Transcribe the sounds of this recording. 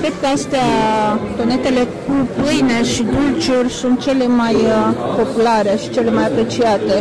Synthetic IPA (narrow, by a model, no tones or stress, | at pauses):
kɾe̞d̪̚kəast̪eat̪o̞ne̞t̪e̞le̞kupɨjneʃid̪ult͡ʃurʲsunt̪̚t͡ʃe̞le̞majpo̞pulaɾe̞ʃi̥t͡ʃe̞le̞majapɾe̞t͡ʃiat̪e̞